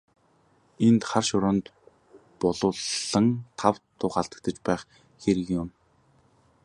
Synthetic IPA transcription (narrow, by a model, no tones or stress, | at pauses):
ent̪χarʃʊɾə̆nt̪ | pɔɮʊːɮːə̆ŋt̪ʰawt̪ːʊːχaɮt̪ə̥̆k̚t̪ə̆t͡ɕpæːχ | xeɾɘ̆ɣjʊm